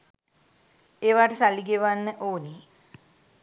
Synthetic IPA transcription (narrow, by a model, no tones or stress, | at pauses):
eːʋaːʈəsaliɡeʋanːəʔoːne